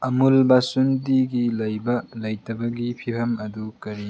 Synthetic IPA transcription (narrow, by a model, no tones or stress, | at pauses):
ɐmulbasundiɡilɐjbɐlɐjtɐbɐɡipʰipʰɐmɐdukɐɾi